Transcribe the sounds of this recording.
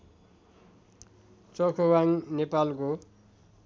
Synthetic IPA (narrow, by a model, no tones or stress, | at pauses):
t͡sʌkʰowaŋnepalko